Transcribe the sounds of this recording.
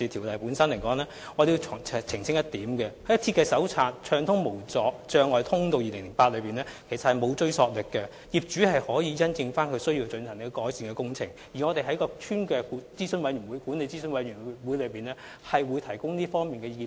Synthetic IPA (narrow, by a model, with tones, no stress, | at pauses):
i˨˧t̪ʰiː˨˩wtlɐ˨jpuː˨˥nsɐ˥nlɐ˨˩jkɔː˨˥ŋlɛː˥ | ŋɔː˨˧t̪e˨ji˧˨˩t͡sʰɪ˨˩ŋsɪ˥ŋjɐ˥t̚t̪iː˨˥mkɛ˧hɐ˥jɐ˥t̪ʰiː˧˥kɛː˧sɐ˨˥wt͡sʰaː˧t̚t͡ʃʰœː˧ŋt̪ʰʊ˥ŋmo˨˩wt͡sɔː˨k̚t͡ʃœː˧ŋɔː˨jt̪ʰʊ˥ŋt̪o˧wjiː˨lɪ˨˩ŋlɪ˨˩ŋpaː˧t̚lɵ˨˧ɥpiː˨˩nlɛː˥kʰe˨˩jsɐ˨thɐ˨jmo˨˧wt͡ʃɵ˥ɥsɔː˧k̚lɪ˨kːɛ˧ | jiː˨˩p̚t͡ʃyː˨˥hɐ˨jhɔː˨˥jiː˨˧jɐ˥nt͡sɪ˧ŋfaː˥nkʰɵ˧sɵ˥ɥjiː˧wt͡sɵ˧nsʰɐ˨˩ŋni˥˧kɔː˨˥jsiː˨nkɛː˧kʊ˥ŋt͡sʰɪ̰˨˩ŋ | jiː˨ŋɔ˨˧e˨jɦɐ˨˥jkɔː˧tʰyː˥nkɛː˧ku˨˥t͡siː˥sɵ˧˥nwɐ˨˥jyː˨˩nwu˨˧jkuː˨˥nle˨˧jt͡siː˥sɵ˧˥nwɐ˨˥jyː˨˩wuː˨˥jlɵ˨˧ɥpiː˨nɛː˥ | hɐ˨jwuː˨˧jt̪ʰɐ˨˩jkʊ˥ŋniː˥fɔː˥ŋmiː˨nkɛː˧jiː˨˩